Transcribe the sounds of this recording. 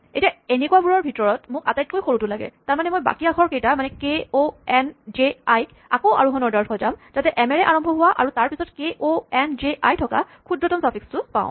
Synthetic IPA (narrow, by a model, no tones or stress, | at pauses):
etiaenekuwabuɹɔɹbʱitɔɹɔtmʊkatajt̚kojxoɹutʊlaɡɛ̰taɹmanɛmojba̰kiakʰɔɹkejtamanɛkeoɛnzeajk | akɔʊʔa̰ɹuɦɔnɔɹdaɹkʰɔzamzatɛʔɛmɛɹɛʔaɹɔmbʱɔɦʊwaʔa̰ɹutaɹpisɔtkeʔoɛnzeʔajtʰɔka̰ | kʰudɹɔtɔmsapʰikstʊpã̰ʊ̃